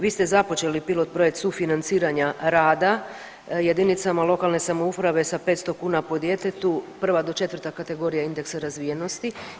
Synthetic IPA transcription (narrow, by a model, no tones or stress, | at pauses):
ʋiːst̪e̞zapo̞t͡ʃe̞lipilˠo̞t̪̚pɾo̞jekt̪sufinant̪siːɾaɲaɾaːd̪a | je̞d̪init̪samalo̞kalne̞samoupɾaʋe̞sape̞ːt̪st̪o̞kuːnapo̞d̪je̞t̪e̞t̪upr̩ʋad̪o̞t͡ʃe̞t̪ʋər̩t̪akat̪e̞ɡo̞ːɾijaind̪e̞ksaɾazʋije̞no̞st̪i